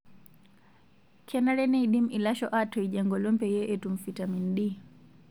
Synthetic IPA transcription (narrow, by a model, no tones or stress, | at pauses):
kʰɛnaɾɛnɛiɗimilaʃɔʔatɔiʄɛŋɡɔlɔmpɛjɛʔɛtum̩fitaminɗi